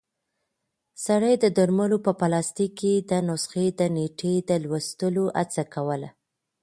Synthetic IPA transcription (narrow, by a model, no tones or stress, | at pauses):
saɽəjd̪əd̪əɾməlopəpalɑst̪ikːed̪ənʊsxed̪əneʈed̪əlwəst̪əloʔa̰t͡sakawəla̰